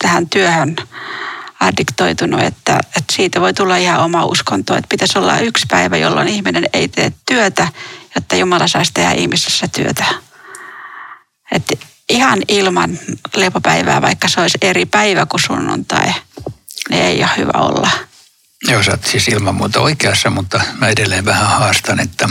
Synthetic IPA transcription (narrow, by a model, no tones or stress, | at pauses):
t̪æhænt̪yøhøn | ɑrdikt̪oit̪unṵḛt̪ːæ̰et̪siːt̪æʋoit̪ulːɑihɑomɑṵskont̪o̰ːḛt̪̚pit̪æsolːɑ̰ʔykspæiʋæjo̰lːo̰nihmineneit̪ḛːt̪t̪yøt̪æjot̪ːɑjumɑlɑsɑist̪ehæ̰ʔḭhmisesːæt̪yøt̪æ | et̪ | ihɑnilmɑnlepopæiʋæ̰ːʋɑikːɑseoiseripæiʋækusunːṵnt̪ɑ̰i | nḭeiohhy̰ʋæ̰o̰lːɑ | joːsɑt̪sisilmɑmmuːt̪ɑoikeɑsːɑmut̪ːɑmæedelːeːʋʋæhæhɑːst̪ɑnet̪ːæ